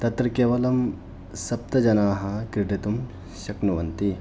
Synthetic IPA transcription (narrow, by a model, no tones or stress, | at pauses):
t̪ɐt̪ɾɐkeːʋɐlɐm | sɐp̚t̪ɐd͡ʒɐnaːɦɐkɾɪɖit̪um | ɕɐknuʋɐnt̪i